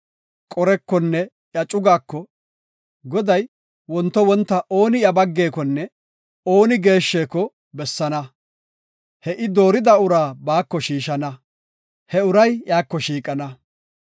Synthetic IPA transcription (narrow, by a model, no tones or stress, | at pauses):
kʼɔɾɛkːɔnːɛ | jɐt͡ʃʼʊɡaːkːɔ | ɡɔd̪ɐj | wɔnt̪ːɔwɔnt̪ːɐʔo̞ːnɪjɐbɐɡːe̞ːkɔnːɛ | o̞ːnɪɡe̞ːʃːe̞ːkɔ | bɛsːɐnɐ | hɛʔɪd̪o̞ːɾɪd̪ɐʊɾaːbaːkːɔʃiːʃɐnɐ | hɛʊɾɐjjaːkːɔʃiːkʼɐnɐ